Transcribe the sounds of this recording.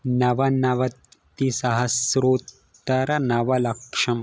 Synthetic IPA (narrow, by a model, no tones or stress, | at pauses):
nɐʋɐnɐʋɐt̪ː | isɐɦɐsɾoːt̪ː | ɐɾɐnɐʋɐlɐkʂɐm